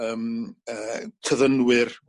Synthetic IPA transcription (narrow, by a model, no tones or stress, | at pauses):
əːmətʰəðənwɪr